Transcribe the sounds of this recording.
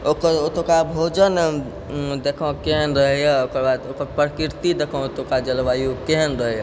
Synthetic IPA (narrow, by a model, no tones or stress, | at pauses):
okəɾot̪okabʱod͡ʒən | d̪ekʰɔ̃keɦənɾəɦjaokəɾbad̪okəɾpɾəkiɾt̪id̪ekʰɔ̃ot̪õkad͡ʒəlʋajukeɦənɾəɦɛja